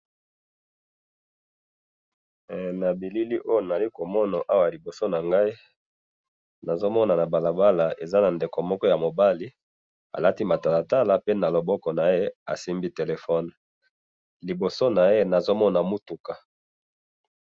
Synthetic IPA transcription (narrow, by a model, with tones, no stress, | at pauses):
na˨bi˨li˦li˦ʔo˦jo˨na˨li˦ko˨mɔ˦na˨ʔa˦wa˨li˨bo˨so˦na˨ŋɡa˦i˦ | na˨zo˦mɔ˦na˨na˨ba˨la˨ba˦la˨ʔe˨za˦na˨nde˨ko˨mɔ˦kɔ˦ja˨mo˨ba˦li˦ | a̰˨la˦ti˦ma˨ta˨la˨ta˦la˨pe˦na˨lo˨bɔ˦kɔ˨na˨je˦a̰˨si˦mbi˦te˨le˨fɔ˦n | li˨bo˨so˦na˨je˦na˨zo˦mɔ˦na˨mu˦tu˨ka˨